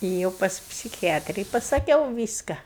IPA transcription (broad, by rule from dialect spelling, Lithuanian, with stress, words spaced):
eːˈjɛʊ pɐs pʲsʲɪkʲɪˈjæːtʲrʲɪ ɪ pɐsɐˈkʲɛʊ ˈʋʲiːskɐ